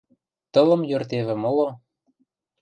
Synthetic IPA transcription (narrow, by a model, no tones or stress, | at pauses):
t̪ɤlɤ̆mjørt̪eβĕmɤ̆lo